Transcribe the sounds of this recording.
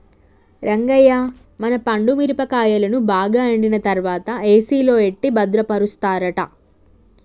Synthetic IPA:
ɾɐŋɡɐjaː | mɐnɐpɐɳɖumiɾipɐkaːjɐlɐnubaːɡaːɐɳɖinɐt̪ɐɾʋaːt̪ɐeːsiːlo̞ːeʈːibɐd̪ɾɐpɐɾust̪aːɾɐʈɐ

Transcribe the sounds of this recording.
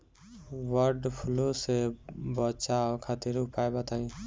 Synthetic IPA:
wəɾɖpʰulosebət͡ʃakʰat̪iɾʊpajbat̪ʰaĩ

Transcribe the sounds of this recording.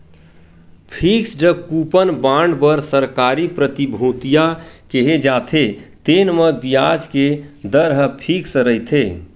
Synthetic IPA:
pʰiksd͡ʒəkupənbãɳɖbəɾsəɾkaɾipɾət̪ibʱõt̪ijakeɦed͡ʒat̪ʰet̪enməbijad͡ʒked̪əɾɦəpʰiksəɾəɦit̪ʰe

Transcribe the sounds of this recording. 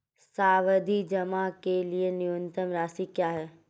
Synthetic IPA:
saːʋəd̪ʱid͡ʒɐmakelienɪə̃nt̪əmɾaːsikjaːɦɛː

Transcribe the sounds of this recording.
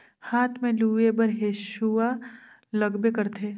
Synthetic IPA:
haːt̪ʰmẽluːebɐɾɦeːʃua | lɐɡbekəɾt̪ʰeː

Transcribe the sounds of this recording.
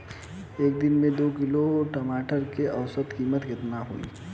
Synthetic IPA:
eːk̚d̪ɪnmẽd̪oːkɪloʈɐmaːʈəɾkeʔɐwsət̪kiːmət̪ɡɪt̪naɦo̰ḭː

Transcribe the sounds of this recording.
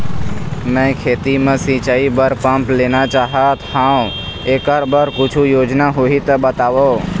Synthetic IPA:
mɛ̃kʰeːt̪imẽsĩt͡ʃaːibəɾpəmpleːnat͡ʃaːɦət̪hãːũ | eːkəɾbəɾkʊt͡ʃʰujoːd͡ʒnaɦoɦit̪əbət̪aːʋo

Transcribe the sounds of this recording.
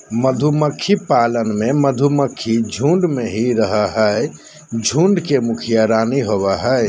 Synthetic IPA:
məd̪ʱuməkʰːipalənmẽməd̪ʱuməkʰːid͡ʒʱũɳɖmeɦiɾəɦəɦɛɛ | d͡ʒʱũɳɖkemukʰijaɾaːniɦoβɛɦɛ

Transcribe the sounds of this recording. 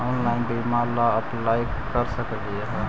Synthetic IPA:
ɔnlaːɪnbimalaəplaːjkkəɾsəkdiaɦ

